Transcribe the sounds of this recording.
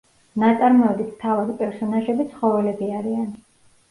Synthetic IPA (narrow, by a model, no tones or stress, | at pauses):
nat̪sʼaɾmɔɛd̪it̪ʰt̪ʰavad̪pʼɛɾsɔnaʒɛbit̪sʰχɔvɛlɛbiaɾian